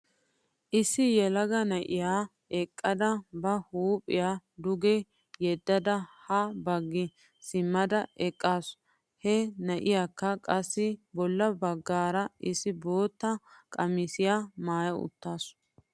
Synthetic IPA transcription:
ʔɪsːɪjɛlɐɡɐnɐʔɪjaː | ɛkʼːɐd̪ɐbɐhuːpʼːɪjaːd̪ʊɡɛ | jɛd̪ːɐd̪ɐhɐbɐɡːɪ | sɪmːɐd̪ɐɛkʼːaːs | hɛnɐʔɪjaːkːɐkʼɐsːɪbɔlːɐbɐɡːaːɾɐɪsːɪbo̞ːt̪ːɐkʼɐmɪsɪjaːmaːjɐʊ̰t̪ːaːs

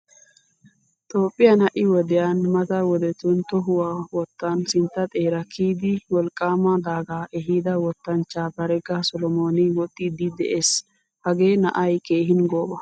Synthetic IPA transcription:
t̪ʼoːpʼːɪjɐnhɐʔɪwɔd̪ɛjanmɐt̪ɐwɔd̪ɛt̪ʊnt̪ɔɦʊwaːwɔt̪ːɐnsɪnt̪ːɐt̪ʼe̞ːɾɐkʰiːd̪ɪwɔlkʼːaːmɐd̪aːɡaːʔɛɦiːd̪ɐwɔt̪ːɐnt͡ʃːaːbɐɾɛɡɐsɔlɔmoːnɪwɔt̪ʼːid̪ɪd̪ɛ̰ʔe̞ːs | hɐɡe̞ːnɐ̰ʔɐjke̞ːɦɪnɡoːbɐ

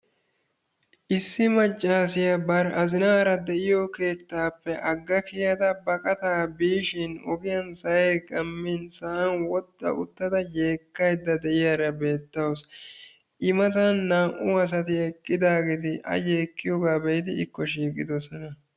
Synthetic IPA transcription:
ʔɪsːɪmɐt͡ʃʼːaːsɪjɐbɐɾɐzɪnaːɾɐd̪ɛʔɪjɔke̞ːt̪ːaːpːɛʔɐɡːɐkɪjɐd̪ɐbɐkʼɐt̪aːbiːʃɪnɔ̰ɡɪjɐnsɐjejkʼɐmːinsɐʔɐnwɔt̪ʼːɐ̰ʔʊ̰t̪ːɐd̪ɐje̞ːkːɐjd̪ːɐd̪ɛʔɪjaɾɐbe̞ːt̪ːɐws | ʔɪmɐt̪ɐnːaːʔʊɐs̬ɐt̪ɪɛkʼːɪd̪aːɡeːt̪ɪʔɐ̰je̞ːkːɪjɔɡaːbɛjd̪ɪɪkːɔʃiːkʼɪd̪ɔsɔnɐ

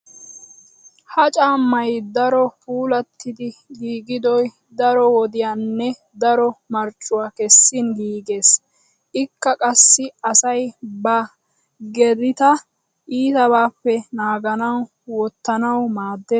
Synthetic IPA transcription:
hɐt͡ʃʼaːmːɐjd̪ɐɾɔpuːlɐt̪ːɪd̪ɪɡiːɡɪd̪ɔj | d̪ɐɾɔwɔd̪ɪjaːnːɛ | d̪ɐɾɔmɐɾt͡ʃʼːʊwakɛsːɪnɡiːɡeːs | ʔɪkːɐkʼɐsːɪɐsɐjbɐ | ɡɛd̪ɪt̪ɐ | ʔiːt̪ɐβaːpːɛnaːɡɐnɐw | wɔt̪ːɐnɐwmaːd̪ːeː

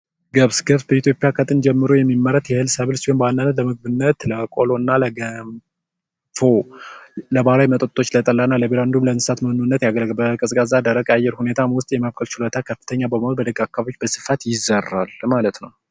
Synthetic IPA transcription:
ɡəβsɡəβsbəit̪ʰjo̞pʼjakʰət̪ʼɨnd͡ʒɛmːɨɾojɛmːimːəɾət̪jɛhɨlsəβɨlsionbandanːət̪ləmɨɡ̚bɨnːət̪ləkʼolo̞nːaləɡəm | fo | ləbalajmət̪ʼot̪ʼːo̞t͡ʃːlət̪ʼəlːanːaləbeɾand̪umləɨnsɨ̥sat̪məhɨnunːət̪jaɡəlɡbəkʼɨsʼkʼazad̪əɾəkʼajɛɾhune̞t̪ʰamwʊst̪ʼjɛmaβkʼəlt͡ʃʰɪlət̪ʰakʰəfːɨ̥t̪ʰəɲːabəməholbəd̪əɡakːaβabot͡ʃːbəsɨ̥fat̪jɪzərːa̰lmalət̪nəw

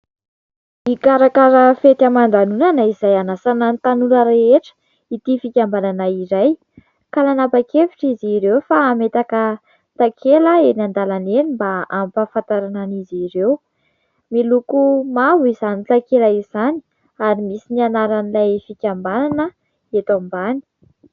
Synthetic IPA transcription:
ikaɾakaɾəfet̪amand̪anunanaizajanasanant̪anunəɾeeʈ͡ʂə̥ | it̪ifikʲambananaiɾaj | kalanabakefiʈ͡ʂiziɾewfaːmet̪akə | t̪akʰeləenand̪alanenimbaampafant̪aɾananiziɾew | milukumavuizanilakiɾajiz̥ani̥ | aɾimisinianaɾanilajfikʲambananə | et̪ambani̥

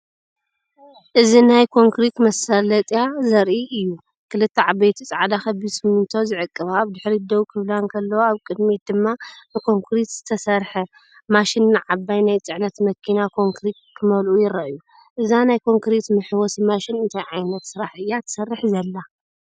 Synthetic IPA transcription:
ʔɨzinajkʰo̞ŋkɾit̪mɐsɐlɐt̪ʼjazɐɾʔiʔɨjːu | kʰɨlɨt̪ʰːɐʕabejt̪ʰit͡sʼaʕd̪axɐbisɨmɨnt̪ʰozɨʕɨkʼːɨβaːβd̪ɨħɾid̪ɐwukʰɨβlankʰɐlːɐwoaβkʼɨd̪mit̪d̪ɨmːanɨkʰo̞ŋkʰɾit̪z̥ɨt̪ʰɐsɐɾħɐ | maʃinːɨʕabːajnajt͡sʼɨʕnɐt̪mɐkʰːinakʰo̞ŋkʰɾit̪̚kʰːɨmɐlʔujɪɾɐʔju | ʔɨzanajkʰo̞ŋkɾit̪mɨħwɔsimaʃɪnɨnt̪ʰajʕajnɐt̪sɨɾaħʔɨjːat̪ʰɨ̥sɐrːɨħzɐlːa

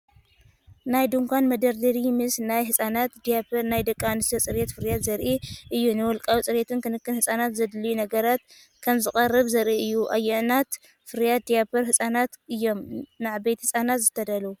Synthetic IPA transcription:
najd̪uŋkʰʷanmɐd̪ɐɾd̪ɐɾimɨsnajɦɨsʼanat̪d̪ijapʰɐɾnajd̪ɐkʼːamnɨst̪jot͡sʼɨɾet̪fɨɾjat̪zɐɾʔiʔɨjːunɨwɔlkʼawt͡sʼɨɾet̪ʰɨnkʰɨnɨkːɨnhɨsʼanat̪zɐd̪lijunɐɡɐɾat̪ | kʰɐmzɨkʼɐrːɨβzɐɾʔiɨjːuʔa̰jːɛʕnat̪ | fɨɾjat̪̚d̪ijapʰoɾhɨsʼanat̪ɨjːo̞mnaʕbejt̪hɨsʼanat̪zɨt̪ʰɐd̪ɐlu

